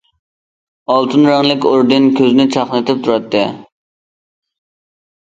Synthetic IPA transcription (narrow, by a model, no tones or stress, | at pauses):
ɑlˠt̪ʰɨnɾɑŋlˠɪkʲoɾd̪ɨnkʲʰøznɪt͡ʃʰɑχnɨt̪ɪp̚t̪ʰuɾɑt̪ʰːɨ